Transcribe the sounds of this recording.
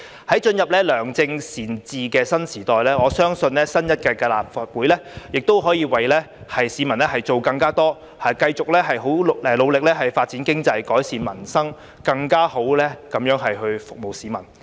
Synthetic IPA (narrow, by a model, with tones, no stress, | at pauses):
hɐ˨˥jt͡ʃɵ˧njɐ˨p̚lɛː˥lœː˨˩ŋt͡sɪ˧ŋsiː˨˩nt͡siː˨kɛː˧sɐ˥nsiː˨˩t̪ɔː˨jlɛː˥ŋɔː˨˧sœː˥ŋsɵ˧nlɛː˥sɐ˥njɐ˥t̚kɛː˧kɐː˧la̰ː˨˩p̚fa˨t̚wuː˨˥jlɛː˥jɪ˨k̚t̪o˥wɦɔː˨˥jiː˧wɐ˨˩jlɛː˥ | hɐ˨jsiː˨˥mɐ˨˩nlɛː˦˥hɐ˨jt͡so˨wkɐ˧ŋkaː˥t̪ɔː˥ | ɐː˨˩kɐ˧jt͡sʊ˨k̚lɛː˥ɦɐ˨jɦo˨˥wɛ˧lo˨˧wlɪ˨k̚lɛː˥ɦɐ˨jfaː˧t̚t͡siː˨˥nkɪ˥ŋt͡sɐ˧jkɔː˨˥jsiː˨nmɐ˨˩nsɐ˥ŋ | kɐ˧ŋkaː˥ho˨˥wlɛː˥kɐ˨˥mjœː˨˥ŋɦɐ˨jɦɵ˧ɥfʊ˨k̚mo˨˩wsiː˨˥mɐ˨˩n